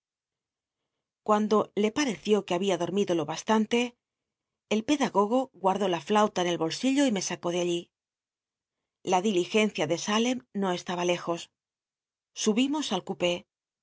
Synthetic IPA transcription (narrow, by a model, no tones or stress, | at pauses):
kwand̪o̞le̞paɾe̞θjo̞keaβiaðo̞ɾmiðo̞lo̞βast̪ant̪e̞ː | lpe̞ðaɣo̞ɣ̞o̞ɣwaɾðo̞laflawt̪aene̞lβo̞lsiʎo̞ime̞sako̞ðeaʎi | laðilixe̞n̟θjaðe̞sale̞mno̞e̞st̪aβale̞xo̞s | uβimo̞salkupe̞